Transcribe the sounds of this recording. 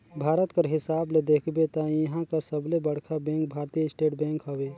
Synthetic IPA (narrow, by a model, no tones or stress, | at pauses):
bʱaːɾət̪kəɾɦɪsaːbled̪eːkʰbet̪ajɦãkasəblebəɽ̤kʰabɛ̃ŋk̚bʱaːɾt̪ijəɪsʈeːʈbɛ̃ːŋkɦəwe